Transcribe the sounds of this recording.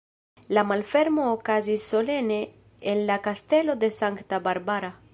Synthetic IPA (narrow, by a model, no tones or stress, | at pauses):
lamalfeɾmoːkazisolene | enlakast̪elod̪esaŋkt̪abaɾbaɾa